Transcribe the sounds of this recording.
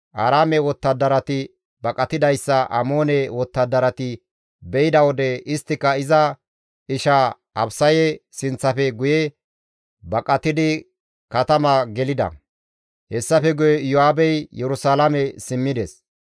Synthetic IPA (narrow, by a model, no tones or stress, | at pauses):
ʔɐːɾaːmɛwɔt̪ːɐd̪ːɐɾɐt̪ɪ | bɐkʼɐt̪ɪd̪ɐjsːɐʔɐ̰moːnɛwɔt̪ːɐd̪ːɐɾɐt̪ɪ | bɛɪd̪ɐwɔd̪ɛɪst̪ːɪkːɐɪzɐ | ɪʃɐ | ʔɐbsɐjɛsɪnt͡sːɐfɛɡʊjɛ | bɐkʼɐt̪ɪd̪ɪ | kɐt̪ɐmɐɡɛlɪd̪ɐ̰ | hɛsːɐfɛɡʊjɛjɔhaːbɛjjɛɾʊsaːlamɛsɪmːɪd̪ɛs